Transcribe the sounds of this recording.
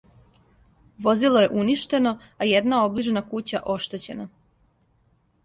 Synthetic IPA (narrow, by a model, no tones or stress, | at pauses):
ʋo̞zilˠo̞je̞ʔuniʃt̪e̞no̞ | ajed̪nao̞bliʒnakut͡ɕaʔo̞ʃt̪e̞t͡ɕe̞na